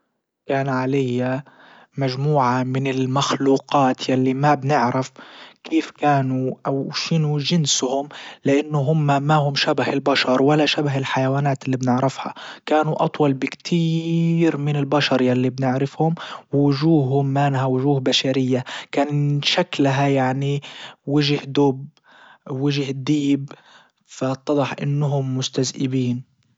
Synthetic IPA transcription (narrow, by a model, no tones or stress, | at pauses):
kaːnʕalajːa | maʒmuːʕamɪnɪlmaxluːqɑːt̪jalːimabnɪʕɾɪfkʰiːfkaːnuʔawʃɪnuʒɪnshʊmlɪʔanːʊɦʊmːamahʊmʃabahɪlbaʃɑɾˤwalːaʃabaɦɪlħajawaːnaːt̪ɪlːiːbnɪʕɾɪfha̰kaːnuʔɑt̪ˤwɑlbɪkt̪ʰiːɾmɪnɪlbaʃɑɾˤjalːibnɪʕɾɪfhʊmwʊʒuːhhʊmːanhawʊʒuːhbaʃaɾɪjːakaːnʃaklɦajaʕniwɪʒhd̪ʊb | wɪʒhd̪iːb | fat̪ˤːɑðˤɑħʔɪ̰nːʊɦʊmːʊst̪azʔɪbiːn